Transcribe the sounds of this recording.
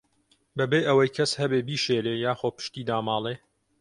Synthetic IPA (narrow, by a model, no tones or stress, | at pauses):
bɐbeːʔəwɐjkʰɐshɐbeːbiːʃeːleːjaːxoːpɨ̥ʃt̪iːd̪aːmɑːlˠeː